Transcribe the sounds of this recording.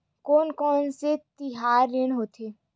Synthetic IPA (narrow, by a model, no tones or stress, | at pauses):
kɔːnkɔːnset̪ɪɦaːɾːɪɳ̃ɦoːt̪ʰeː